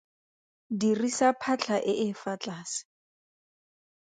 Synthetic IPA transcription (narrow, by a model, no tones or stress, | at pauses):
dirisapʰat͡ɬʰaʔɪʔɪfat͡ɬʼaːsɪ̥